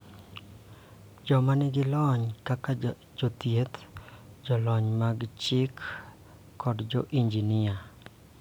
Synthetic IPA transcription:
d͡ʒɔmanɪɡɪlɔɲkaka | d͡ʒot̪jet̪d͡ʒɔlɔɲmaɡt͡ʃɪkː | ɔdd͡ʒɔʔiɲd͡ʒinɪa

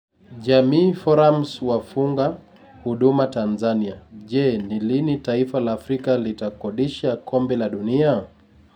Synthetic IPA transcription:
ʄamiːfɔɾamswafuŋɡa | huɗumatanzaniaʄɛnilinitaifalaːfɾikalitakɔɗiʃakɔmbɛlaɗunia

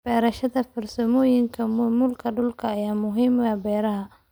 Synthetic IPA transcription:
b̥ɛːɾɐʃɐðɐfɐrsɐmɔːjɪŋkʰɐmʊmʊlkʰɐɖʊlkʰɐːjaːmʊɦiːmwɐːbɛːɾɐɦɐ

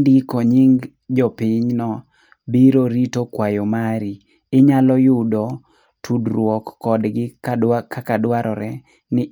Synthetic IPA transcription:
ndɡkoɲiŋ | d͡ʒɔpɪɲnɔ | biɾoɾitokwajomaɾi | ɪɲalɔjʊdɔ | tʰudɾwɔkːɔdɡɪkakadwaɾɔɾɛ | nɪ

